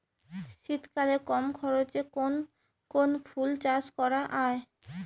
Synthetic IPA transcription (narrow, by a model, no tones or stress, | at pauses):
ʃit̪kalekɔmkʰɔɾot͡ɕekon | konfʰult͡ɕaskɔɾaʔae